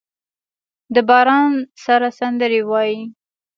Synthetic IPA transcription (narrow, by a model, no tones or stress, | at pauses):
d̪əbɑɾɑnsaɾasand̪əɾewɑji